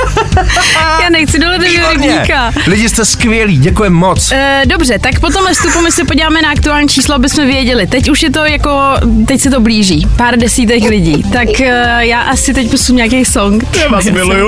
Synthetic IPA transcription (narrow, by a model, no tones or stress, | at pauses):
jaːnɛxt͡sɪdoɦlɛt̪ɛoɾɪbɲika | lɪɟɪst̪ɛskvɪjɛliːɟɛkujɛmːot͡sːdobr̝ɛt̪akpot̪omvɛfst̪upumɪsɛpoɟilaːmɛnaakt̪uaːlɲiːt͡ʃʰiːsloabɪsmɛvjɛɟɛlɪt̪ɛcuʃjɛt̪o̞jako̞t̪ɛcsɛt̪̬o̞bliːʒiːpaːɾdɛsiːt̪̬ɛklɪɟiːt̪akjaːʔasɪt̪ɛc̚pusumɲaːkejsoŋkt̪ɛamɪluju